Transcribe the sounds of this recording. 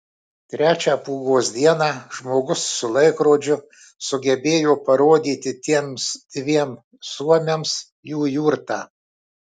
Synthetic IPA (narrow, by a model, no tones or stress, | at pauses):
t̪ʲɾʲæːt͡ʃʲæːpuːɡoːsd̪ʲiɛnɑːʒmoːɡʊsːʊlˠɐɪkɾoːd͡ʒʲʊ | sʊɡʲɛbʲeːjoːpɐɾoːd̪ʲiːt̪ʲɪt̪ʲiɛmsd̪̥ʲʋʲiɛm | suɔmʲems | juːjuːɾt̪ɑː